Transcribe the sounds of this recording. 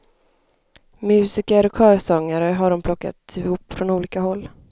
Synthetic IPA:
mʉ̟ːsɪkəɾɔkʰœːɾsɔŋːaɾəɦaɖɔmpʰlɔkːa̰t̪ɪhʊpːfɾɔnuːliːkahɔlː

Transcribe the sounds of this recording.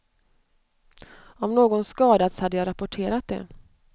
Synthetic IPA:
ɔmnoːɡɔnskɑːd̪at̪shad̪ːəjɑːɾapʊʈʰeːɾat̪̚d̪ɛ̰

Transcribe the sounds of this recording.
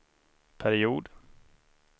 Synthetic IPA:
pʰæɾɪuːd̪

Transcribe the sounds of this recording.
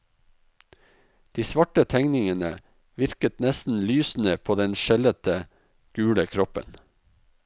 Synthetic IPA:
d̪̥iːsʋɑʈət̪ʰæŋnɪŋənə | ʋɪɾkət̪nɛst̪n̩lyːsn̩əpʰoːd̪ɛnʃɛlət̪ə | ɡ̥ʉːləkʰɾɔpə̰n

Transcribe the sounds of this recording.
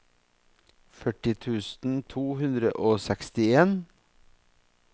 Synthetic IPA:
fœʈɪt̪ʰʉːsn̩t̪ʰuːhʉnd̪ɾə̰ʔoːsɛkst̪ɪeːn

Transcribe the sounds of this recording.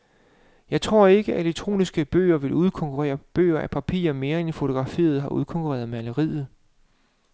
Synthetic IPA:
jɑ̈ɪt͡sʰʁo̝ɐ̰e̝ɡ̥əʔeleɡ̥̚t͡sʰʁo̝̰ːnisɡ̥əb̥ø̰ːɐʋe̝luð̞ˠkʰɒ̽ŋkʰuʁɛ̰ːɐb̥ø̰ːɐʔæpʰæpʰḭːɐme̝ːɐenfo̝t͡sʰo̝ɡ̥ʁɑ̈fḭːɐð̞̩ˠɦɑ̈uðˠkʰɒ̽ŋkʰuʁɛ̰ːɐð̞̩ˠmeæləʁḭːð̩ˠ

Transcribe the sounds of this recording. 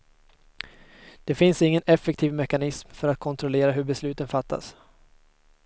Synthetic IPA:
d̪̥ɛfɪnsɪŋːənɛfːɛk̚t̪ʰiːvmɛkanɪsmfœɾat̪̚kʰɔnt̪ʰɾɔleːɾaɦɵɾbɛslʉ̟ːt̪ənfat̪ʰːa̰s

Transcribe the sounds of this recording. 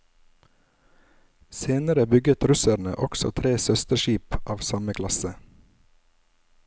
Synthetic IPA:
seːnəɾəbʏɡət̪ɾʉsəɳə̰ʔɔksɔ̰t̪ʰɾeːsœst̪əʃiːpʔɑːʋsɑməkʰlɑsə

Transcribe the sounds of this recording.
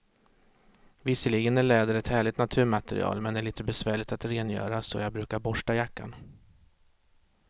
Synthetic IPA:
vɪsːəliːɡənæɭɛːd̪əɾɛt̪hæːɭɪt̪nat̪ʰʉ̟ːmat̪ɛɾɪ̰ɑ̰ːlmɛnd̪ɛɭiːt̪əbɛsvæːɭɪt̪at̪ɾeːnjœ̰ːɾasɔ̰jɑːɡbɾʉ̟ːkaɾbɔʂʈajakːa̰n

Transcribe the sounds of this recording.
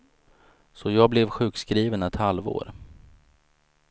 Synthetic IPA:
sɔjɑːɡblɛvɧʉ̟ːkskɾiːvənɛt̪halvo̰ːɾ

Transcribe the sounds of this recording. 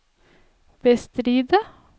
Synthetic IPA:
b̥əst̪ɾiːd̪ə

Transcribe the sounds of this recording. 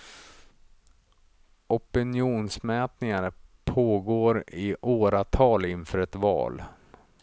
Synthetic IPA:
ʔɔpɪnjuːnsmɛːt̪nɪŋaɾpʰoːɡoːɾɪʔoːɾat̪ʰɑːlɪnfœːɾɛt̪vɑ̰ːl

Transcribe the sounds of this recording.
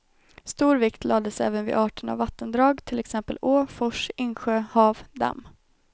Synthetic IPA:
st̪uːɾvɪkt̪ʰlɑːd̪əsɛ̰ːvənvɪ̰ʔɑːʈəɳa̰vːat̪ːənd̪ɾɑːɡt̪ʰɪlɛksɛmpəloːfɔʂɪnɧøːhɑːvd̪a̰mː

